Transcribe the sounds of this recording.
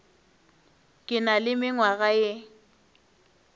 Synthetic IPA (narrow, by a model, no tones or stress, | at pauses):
kʼɪnalɪmɪŋwaɣaje